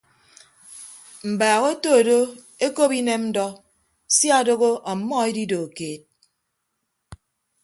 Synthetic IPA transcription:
m̩˨baː˨ɣo˦to˦˨do˦ | e˦ko˦pi˦ne˦mmn̩˦dɔ˦ | sja˦do˦ɣo˦ʔɔ˨mːɔ˦e˦di˦do˨keː˨t̚

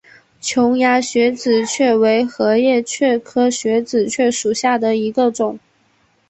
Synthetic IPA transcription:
t͡ɕʰjʊ˧˥ŋja˧˥ɕɥɛ˧˥t͡sɹ̩˨˩t͡ɕʰɥɛ˥˩we˧˥ɪxɤ˧˥jɛ˥˧t͡ɕʰɥɛ˥˩kʰɤ˥ɕɥɛ˧˥t͡sɹ̩˨˩t͡ɕʰɥɛ˥˩ʂu˨˩ɕja˥˩d̪ə˩i˧˥ɡə˧ʈ͡ʂʊ˨˩˦ŋ

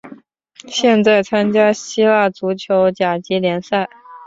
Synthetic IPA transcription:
ɕjɛ˥˧nt͡sa˥˩ɪt͡sʰa˥nt͡ɕja˥ɕi˥la˥˩t͡su˧˥t͡ɕʰjo˧˥ʊt͡ɕja˨˩t͡ɕi˧˥ljɛ˧˥nsa˥˩ɪ

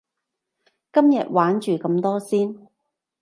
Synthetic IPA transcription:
kɐ˥mjɐ̰˨t̚waː˨˥nt͡ʃyː˨˩kɐ˧mt̪ɔː˥siː˥n

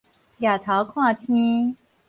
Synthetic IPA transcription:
ja˨˩t̪ʰɑ˧˥ʊkʰwɑ˥˩t̪ʰi˥

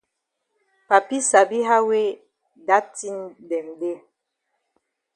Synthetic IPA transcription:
pa˨pi˦sa˨bi˦ɦa˦we˦ | da˦ti˦ndɛ˨mde˦

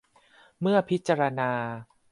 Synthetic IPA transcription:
mɯ˥˩ɐpʰi˦˥t̪̚t͡ɕa˧ɾa˧naː˧

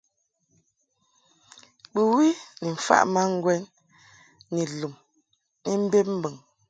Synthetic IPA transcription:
bu˨wi˦ni˨m̩˨fa̰˦ʔma˦ŋ̩˦ɡwɛ˦nː | i˨lu˨m | ni˦m̩˦be˦m̩˦bə˨ŋ

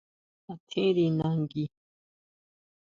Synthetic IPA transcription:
a˨t̪ʰe˦ɾi˨na˨ŋɡi˦

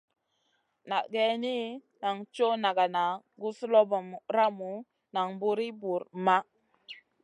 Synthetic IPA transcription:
na˨ʔɡe˨ni˦ | na˨ŋt͡ʃo˦na˨ɡa˨na˨ɡu˦slo˦bo˨m˨ɾa˦mu˨ | na˨ŋbu˦ɾi˦bu˨ɾma˦

